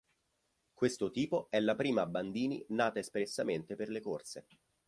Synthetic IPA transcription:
kwest̪ot̪iːpoɛlːapɾiːmaːbːand̪iːnḭnaːt̪aespɾesːament̪eperlekort̪se

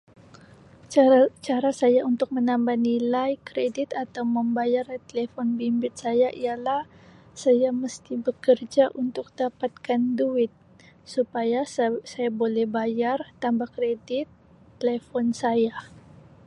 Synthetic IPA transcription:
t͡ʃaɾasajaunt̪ʊk̚mənambahnilajkɾedɪt̪at̪awməmbajart̪elefɔnbimbɪt̪̚sajaʔijalah | sajaməst̪ibəkərd͡ʒaʔunt̪ʊk̚dapat̪̚kanduɪt̪̚ | supajasajabolɛhbajart̪ambahkɾedɪt̪ː | elefɔnsaja

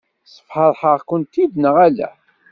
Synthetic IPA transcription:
sˤə̥fħəɾˤħəʁkʊnt̪iðnəʁælæ̰

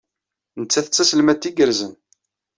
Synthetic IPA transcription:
nət͡sːæθət͡sːæsəlmæt̪ːiɡəɾzən

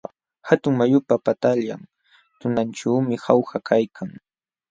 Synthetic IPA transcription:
hat̪ʊŋmajʊpapat̪aʎam | t̪ʊnanʈ͡ʂaːmɪhawxakʰajkʰaŋ

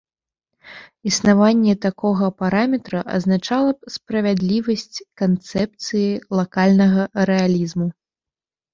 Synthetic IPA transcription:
isnavanʲːɛt̪akɔɣɐpaɾamʲɛt̪ɾɐʔɐ̰znat͡ʂalˠɐp̚spɾɐvʲad̪lʲivɐsʲt͡sʲkant̪sɛp̚t̪sɨjilˠakalʲnɐɣɐɾɛalʲizmu

